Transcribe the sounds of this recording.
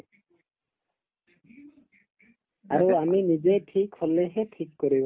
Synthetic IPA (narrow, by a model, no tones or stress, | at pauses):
aɾoaminid͡ʑeʈʰikholːeɦeʈʰikːoɾibo